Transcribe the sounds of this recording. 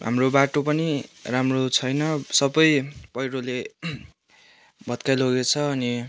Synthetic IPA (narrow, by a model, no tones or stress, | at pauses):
ɦa̰mrobaʈopʌniramrot͡sʰʌjnʌsʌbʌjpʌjɾole | bʱʌt̪kajloɡet͡sʰʌːni